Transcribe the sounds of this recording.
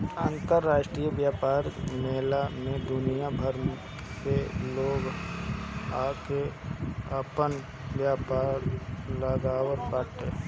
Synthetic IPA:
aːnt̪əɾːaːʃʈɾijəbjaːpaːɾmeɦlamẽd̪ʊnijabʱəɾ | seloːɡ | aːke | əpən | bjaːpaːɾləɡaːwəɾpaːʈe

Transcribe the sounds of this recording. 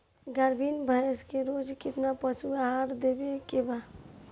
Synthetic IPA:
ɡaɾbinbʱaeskeɾod͡ʒkɪt̪napəsʰuaɦaɾd̪ebekeba

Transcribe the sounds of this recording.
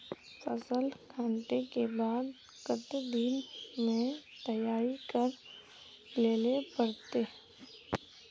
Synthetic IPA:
fɐsəlkʰãːɳʈekebaːd̪ | ɡət̪d̪iːnmẽt̪ɐjaːɾikəɾ | leːlepəɾt̪e

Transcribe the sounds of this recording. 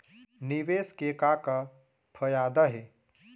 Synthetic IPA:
niʋeskekaka | pʰəjaːd̪əɦe

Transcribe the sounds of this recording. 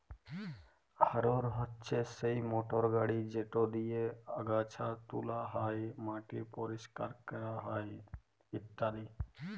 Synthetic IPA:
həɾoɾɦətːt͡ʃʰesəjmoːʈɔɾɡaɽid͡ʒeʈod̪ijeəɡaːt͡ʃʰat̪ulaɦaːjmãːʈipɔɾiska̰ɾkəɾaɦaːj | ɪt̪ːaːɾi

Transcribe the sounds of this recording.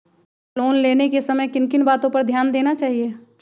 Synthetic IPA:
loːnleːnekesɐməjkɪnkɪnbaːt̪õpɐɾd̪ʱjaːnd̪eːnat͡ʃaːɦie

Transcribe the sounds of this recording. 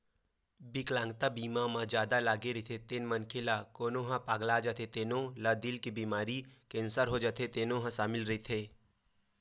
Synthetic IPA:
bɪklãːŋɡt̪abiːmãmãd͡ʒjaːd̪alaːɡeɾəit̪ʰet̪enmənkʰelakoːnoɦãpaːɡlad͡ʒat̪ʰet̪eːnõlad̪ɪlkibiːmaːɾikẽːnsəɾɦod͡ʒat̪ʰet̪eːnõɦãsaːmɪlɾəit̪ʰeː

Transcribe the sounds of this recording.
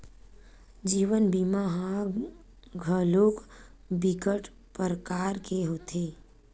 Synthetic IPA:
d͡ʒiːʋənbimaɦã | ɡʱəloːk | bikəʈ | pəɾəkaːɾkeɦot̪ʰeː

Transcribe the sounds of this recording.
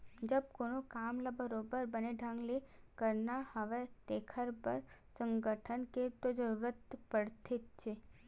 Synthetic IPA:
d͡ʒəb̚koːnokaːmlabəɾoːbəɾbəneɖʱãŋɡle | kəɾnahəʋet̪eːkʰəɾpəɾsə̃ŋɡəʈʰənket̪od͡ʒəɾuːɾət̪pəɽt̪ʰɪt̪̚t͡ʃʰe

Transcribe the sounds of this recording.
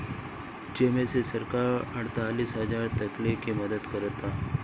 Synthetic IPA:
d͡ʒemẽsesɐɾkaːɾəɽt̪aːliːsɦəzaːɾt̪əklekiməd̪əd̪kəɾət̪a

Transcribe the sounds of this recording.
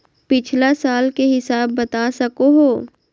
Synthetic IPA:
pɪt͡ʃʰlasaːlkeɦɪsaːbːɐt̪asɐkoɦoː

